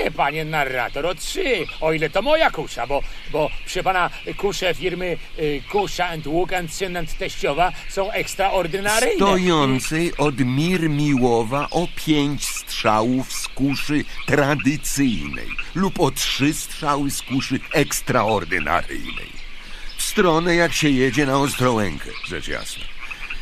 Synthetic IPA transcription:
ɲɛpaɲɛnarːa̰t̪ɔɾɔtʂɘɔilɛt̪ɔmɔjakuʂabɔ | bɔpʂɛpana | kuʂɛfʲiɾmɘkuʂaɛnt̪wukant̪sɛnɛnt̪ːɛɕt͡ɕɔvasɔ̃w̃ɛkst̪ɾaʔɔɾd̪ɨnaɾjd̪ɔjɔnt̪sɛjɔd̪mʲiɾmʲiwɔvaʔɔpʲʰjeɲt͡ɕst̪ʂawufskuʂɨt̪ɾad̪ɨt̪sɘjnɛ̰jlupɔtʂɘst̪ʂawɘskuʂɨɛkst̪ɾaɔɾd̪ɨ̰na̰ɾɘ̰jnɛ̰jfst̪ɾɔnɛjakɕɛjɛd͡ʑɛnaɔst̪ɾɔwɛ̰ŋkʰɛ̰ʐɛ̰t͡ʂja̰snɛ̰

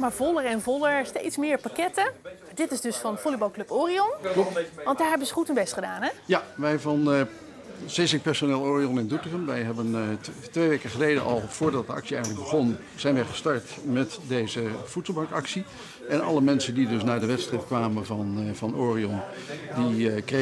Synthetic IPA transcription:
maːɹvɔlˠəɹɛnvɔlˠəɹstḛjtsmɪːɹpakɛtəadɪtɪzdɵsfɑnfolibɑlˠklɵpoːriɔnʋɑndaːɹɦɛbəzəχutənbɛstχədaːnɛjaʋɛjvɑn | z̥esɪk̚pɛɹsonɪːlˠoːriɔnɪndutəχəmʋɛjɦɛbəntʋejʋejkəχəlejdəʔɑlˠv̥ʊːɹdɑt̚dəɑ̰ksiɛjχənləɡ̚bəχɔn | z̥ɛjnʋɛjχə̥stɑɹtmɛtdejzəv̥utsl̩ˠbɑŋkɑksi | ɛnɑ̰ləmɛnsəndidɵsnaːdəʋɛtstrɪpkʋaːməvɑnvɑnʔoːriɔndikre

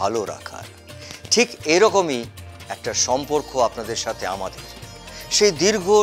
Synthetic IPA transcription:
aloɾa̰kʰa̰ɾ | ʈʰikeɾɔkomiɛk̚ʈaʃɔmpoɾkoapnad̪eɾʃat̪ʰeamad̪eɾ | ʃejd̪iɾɡʱo

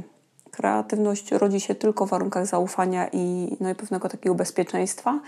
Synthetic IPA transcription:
kɾɛ̰a̰t̪ɘvnɔɕt͡ɕɾɔd͡ʑiɕɛt̪ɘlkɔvːaɾuŋkaɣzaufaɲaʔinɔipɛvnɛɡɔt̪akʲɛɡɔbɛspʲjɛt͡ʂɛj̃st̪fa

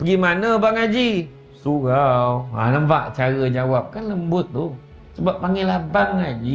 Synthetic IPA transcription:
pəɡimanəbaŋad͡ʒi | suɣawa̰ləmvaʔt͡ʃaɾəd͡ʒawap̚kanləmbʊt̪̚ːu | səbap̚ːaŋɪlabaŋad͡ʒi

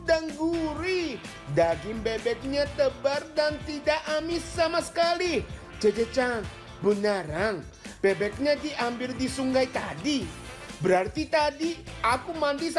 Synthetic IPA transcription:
daŋɡuɾi | daɡɪŋbɛbɛk̚ɲat̪əbardant̪idaʔamɪsːamasə̥kali | d͡ʒad͡ʒət͡ʃaŋ | bənaɾaŋ | bɛbɛk̚ɲadiʔambɪldisuŋɡajt̪a̰di | bəɾart̪it̪adiakumandis

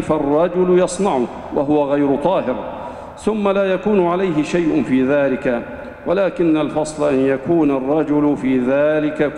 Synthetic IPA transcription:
farˤːɑd͡ʒʊlʊjɑsˤnɑʕʊ | wʔaɦʊwaɣajɾʊt̪ˤɑːɦɪɾ | θʊmːalaːjakuːnʊʕalajɦɪʃajʔʊnfiːðaːlɪka | walaːkɪnːalfɑsˤlaʔanjakuːnarˤːɑd͡ʒʊlʊfiːðaːlɪka

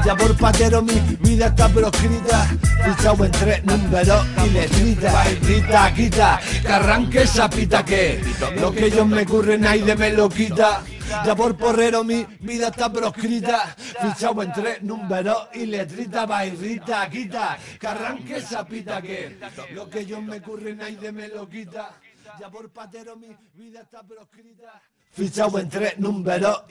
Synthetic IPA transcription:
d͡ʒapoɾpat̪eɾomiβiðat̪apɾokɾit̪afit͡ʃawent̪ɾenũmbeɾoilet̪ɾit̪aajrɾit̪akit̪akaraŋkesapit̪akelokeʎoɦme̞kurenajðemelokit̪a | d͡ʒapoɾporeɾomi | biðat̪apɾokɾit̪afit͡ʃawent̪ɾenũmbeɾoile̞t̪ɾit̪̬aβajrit̪akit̪akaraŋkesapit̪akelokeʎomekurenajðemelokit̪ad͡ʒapoɾpat̪eɾomi | biðat̪apɾokɾit̪a | fit͡ʃawent̪ɾenũmbeɾo

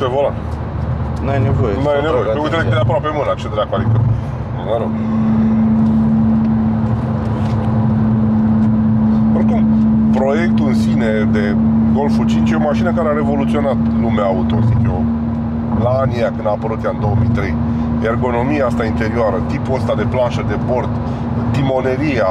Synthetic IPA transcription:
pevolat̪ | nuajnevojenuajenevojeujt̪eɾed̪eap̬ɾoapemɨnakt͡ʃed̪eɾakuad̪ikə | məɾoɡ | orkumpɾo̞je̞k̚t̪uɨnsined̪e̞ɡo̞lfut͡ʃint͡ʃjeo̞maʃinəkaɾeaɾe̞vo̞lut̪sio̞nat̪lumeaaut̪osikjo | laaniakɨnd̪aːpəɾut̪jaɨnd̪o̞omijt̪ɾe̞̰j | erɡo̞no̞mijaast̪aint̪e̞ɾioaɾət̪ipuəst̪ad̪e̞planʃəd̪e̞bo̞rt̪ | t̪imo̞ne̞ɾija

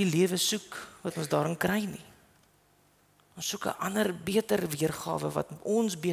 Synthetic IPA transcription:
iliəvəsukvɐtɔnsdɑːɾənkrɛjni | ɔnsːukə̰ʔɐnərbiətərviərχɑ̰ːvə̰vɐ̰tɔnsbiə

